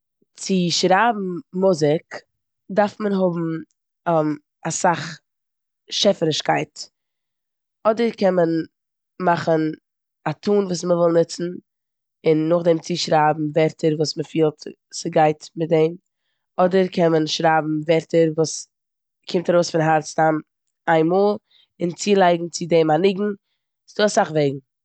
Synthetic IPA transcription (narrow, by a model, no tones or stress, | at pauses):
t͡sɪʃɾaːbm̩mʊzɪk | daɾfmənɦʊbm̩ | m | asaχ | ʃɛfəɾɪʃkaɪt | ɔdəɾkɛnmən | maχən | atʰuːnvuːs̬məvɪlˠnɪt͡sn̩ | ɪnːʊχdɛmt͡siʃɾaːbm̩vɛɾtʰəɾvuːsməfiːlˠt | sɪɡaɪtmɪt̚dɛɪm | ɔdəɾkʰɛnmənʃɾaːbm̩vɛɾtəɾvuːs | kʰɪmtaɾoʊsfɪnɦaɾt͡stam | aɪnmoːlˠ | ɪnt͡siːlˠaɪɡŋ̩t͡sɪdɛmanɪɡŋ̩ | sduːasaχveɪɡŋ̩